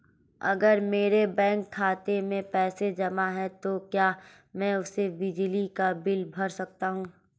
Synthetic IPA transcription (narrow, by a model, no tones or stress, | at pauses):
ɐ̰ɡəɾmeːɾebɛ̃ːŋkʰːaːt̪emẽpɛːsed͡ʒɐmaɦɛt̪okjaː | mɛ̃ʊsebɪd͡ʒlikabɪlbʱɐɾsɐk̚t̪aɦũː